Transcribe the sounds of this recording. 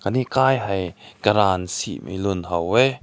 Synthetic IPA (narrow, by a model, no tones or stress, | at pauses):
kaniʔkaːjɦɐjkɐɾaːnsḭʔmʔḭjlunhɐwːɛ